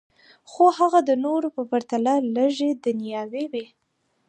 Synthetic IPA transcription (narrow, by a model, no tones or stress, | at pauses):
xohaɣad̪ənoɾopəpaɾt̪alaləʒed̪ənijɑwewi